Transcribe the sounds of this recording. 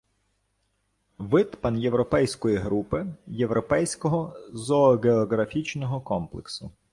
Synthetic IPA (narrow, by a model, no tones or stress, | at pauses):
ʋɪt̪pɐnje̞ʋɾɔpɛjsʲkɔjiɦɾupɪje̞ʋɾɔpɛjsʲkɔɦɔzɔːɡeɔɣɾɐfʲit͡ʃnɔɦɔkɔmplˠḛksʊ